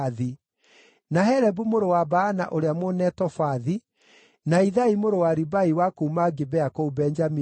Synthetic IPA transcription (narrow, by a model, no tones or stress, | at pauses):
ði | nahɛɾɛbumoɾowabaːna̰ʔoɾeamonɛtɔfaði | naiðaimoɾowaɾibaiwakoumaɡebɛakoubɛnd͡ʒami